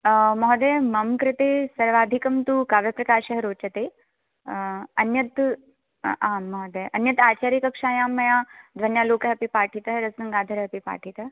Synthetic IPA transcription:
mɔɦd̪ɐjmɐmkɾɪt̪eːsɐɾʋaːd̪ʱikɐmt̪ukaːʋjɐpɾɐkaːʃɐɦɐɾoːt͡ʃɐt̪eː | ɐnjɐt̪ | aːɔɦd̪ɐjʔɐnjɐt̪aːt͡ʃaːɾjikɐkʂaːjaːmːɐjaːd̪ʋɐnjaːloːkɐɦɐpipaːʈʰit̪ɐɦɾɐsnɐŋɡaːd̪ʱɐɾɐɦɐpipa̰ːʈʰit̪ɐ

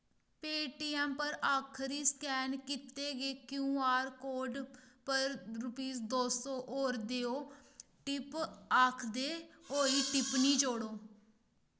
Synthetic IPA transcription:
peːʈiːɛːmpəɾaːkʰɾiːskɛːnkɪt̪eːɡeːkjũːaːɾkoːɖpəɾɾʊpiːsd̪oːsõːʔoːɾd̪eːoː | ʈɪpaːkʰd̪eːoːiːʈɪpnĩːd͡ʒoːɽoː

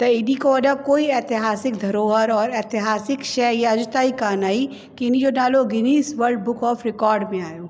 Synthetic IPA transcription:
t̪ɐɪnikoɐɗəkoːiɛːt̪ɪɦaːsɪk̚d̪ʱɐɾoːɦəɾɔːɾɛːt̪ɪɦaːsɪkʃɛːjaɐd͡ʒt̪aːikaːnaːi | kiɪnid͡ʒonaːloɡɪniːsʋəɾɖ̚bʊkɔːfɾɪkɔːɾɖmẽaːjoː

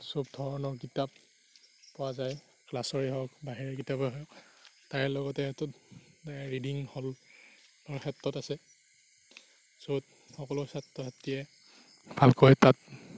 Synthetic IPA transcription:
sɔbdʱɔɹɔnɔkitap | pɔwazaj | klasɔɹiɦɔkbaɦiɹɛkitabɔɦɔjɔktaɹɛlɔɡɔtɛtut | ɹidiŋhɔl | ɔɹxʰɛtːɔtasɛ | sot | xɔkɔlʊsatːɔtʰatijɛ | bʱalkɔjtat̚

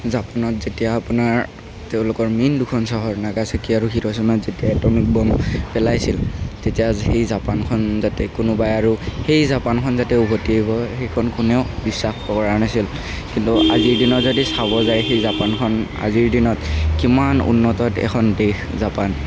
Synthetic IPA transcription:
zapanɔtzetijaːpunaɹ | teʊ̃lʊkɔɹmindukʰɔnsɔɦɔɹnaɡasakiaɹuxiɹɔs̬ɔnɔtzetijaɛtɔmik̚bɔmpɛlajsiltetijahejzapankʰɔnzatɛkʊnʊbajaɹuxejzapankʰɔnzatɛuɦotiibɔxejkʰɔnkunɛʊbisːaxbɔkɔɹanasil | kintua̰ziɹdinɔtzodisaβɔzajxejzapankʰɔna̰ziɹdinɔtkimanṵnːɔtɔtɛ̰kʰɔndex | zapan

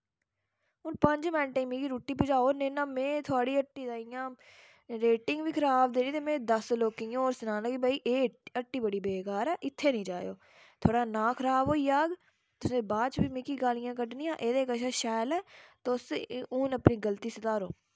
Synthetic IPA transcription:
ɦʊnpəɲd͡ʒmɛ̃ːnʈaiːmikiːɾuːʈːiːp̬ʊd͡ʒaːoːneːnãːmẽːt̪ʰʊaːɽiːəʈːiːzaːijãː | ɾeːʈɪŋɡʋiːkʰəɾaːbd̪eːniːt̪eːmɛ̃ːd̪əsloːkiõoːɾsənãːnəkibaːiːʔeːəʈːiːbəɽiːbeːkaːɾɛːʔɪt̪ʰːeːnĩːd͡ʒaːjo̰ː | t̪ʰoːɽaːnãːkʰəɾaːboːiːjaːɡ | t̪ʊsẽːbaːt͡ʃbiːmikiːɡaːlɪjãːkəɖnĩːãːʔeːd̪eːkəʃ̬aːʃaːjlɛːt̪osʊːnəpnĩːɡəlt̪iːsət̪aːɾo̰ː

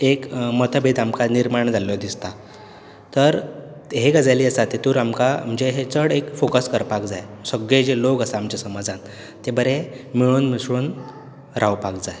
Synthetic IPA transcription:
ekmət̪əbʱit̪amkaniɾmaɳd͡zʱalelɔd̪ist̪a | t̪əɾ | ɦeɡəd͡zaliːəsat̪et̪uːɾamkam̤əɳd͡zeɦet͡səɽekfokəskəɾpak̚d͡zajsəɡɭed͡ʑelokəsaːmt͡ɕasəmad͡zʱan | t̪ebəɾemiɭ̃uːnmisɽuːn | ɾʔawpakd͡zaj

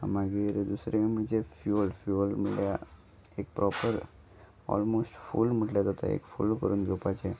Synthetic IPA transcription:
ə̰mãɡeɾed̪usɾeemnit͡ʃʰefjulfjulməlea | ek̚pɾɔpəɾ | ɔ̰lmosʈfṵlmuʈlet̪ət̪ʰa̰ḛkfṵlkəɾunɡopat͡ʃʰe

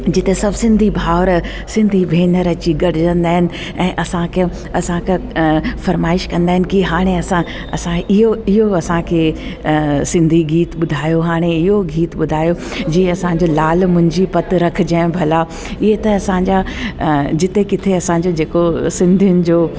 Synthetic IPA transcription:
d͡ʑɪt̪esɐbʱsɪ̃nd̪ʱibʱaːʊɾ | sɪ̃nd̪ʱiʋʱeːnəɾət͡ɕiɡɐɽɪd͡ʑə̃nd̪aːɦɪnɪ̆ | ɛ̃ːʔɐsãkʰe | ɐsãkʰefɐɾmaːɪʃkɐ̃nd̪aːɦɪnɪ̆kiɦaːɽ̃eɐsã | ɐ̰sãɪɦoɪɦoɐsãkʰe | sɪ̃nd̪ʱiɡiːt̪ɓʊd̪ʱaːjoɦaːɽ̃eɪɦoɡʱiːt̪ɓʊd̪ʱaːjo | d͡ʑiːɐsãɲd͡ʑolaːlmʊ̃ɦɪ̃ɲd͡ʑipɐt̪ɾɐkʰɪ̆d͡ʑaːɪ̃bʱɐla | ɪɦet̪ɐɐsãːɲd͡ʑa | d͡ʑɪt̪ekɪt̪ʰeɐsãɲd͡ʑod͡ʑeːkosɪ̃nd̪ʱijʊnɪ̆d͡ʑoː

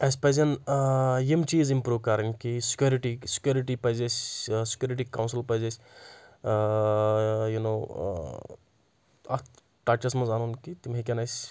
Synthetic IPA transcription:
ɐsʲpɐzʲɐn | jemt͡ʃiːzimpɾuːkɐɾinkisi̥kjuɾiʈisi̥kʲjuɾiʈipɐzʲɐsʲsi̥kʲjoːɾiʈ̬ikawnsilpɐzɐsʲ | juno̰ː | ɐ̰t̪ | ʈat͡ʃɐsmɐzanunkit̪imɦekʲɐnɐjsʲ

